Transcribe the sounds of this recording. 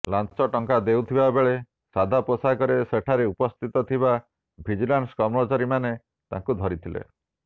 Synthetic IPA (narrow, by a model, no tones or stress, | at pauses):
lansɔʈɔŋkad̪ewt̪ʰibabeɭe | sad̪ʱaposakɔɾeseʈʰaɾeupɔst̪ʰit̪ɔt̪ʰiba | bʱid͡ʒilanskɔmɾɔt͡ʃaɾimane | t̪ã̰ŋkud̪ʱɔɾit̪ʰilḛ